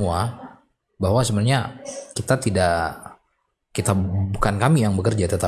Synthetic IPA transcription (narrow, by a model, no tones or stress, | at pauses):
ua | baɦwasəbənaɲakit̪at̪idaʔ | kit̪abukankamijaŋbəkərd͡ʒat̪ət̪a